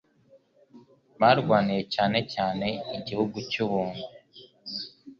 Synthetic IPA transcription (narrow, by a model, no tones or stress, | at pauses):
βaːɾɡwaːniɾe̞caːne̞caːne̞iɟihuɡucuβuːnu